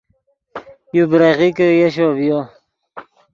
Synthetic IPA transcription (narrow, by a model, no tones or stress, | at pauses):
jubɾaɣikəjeɕobjo